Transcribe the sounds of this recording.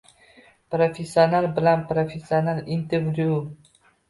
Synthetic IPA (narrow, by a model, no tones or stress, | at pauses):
pɾofesionalbɪlanpɾofesionalint̪evɾju